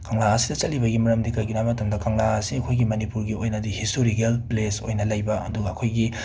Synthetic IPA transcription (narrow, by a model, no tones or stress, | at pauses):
kɐŋlaɐsidɐt͡ʃɐlːibɐɡimɐɾɐmdikɐjɡinamɐtɐmdɐkɐŋlaɐsiɐkʰojɡimɐnipuɾɡiojnɐdihistoɾiɡelpleso̰jnɐlɐjbɐɐ̰duɡɐːkʰojɡi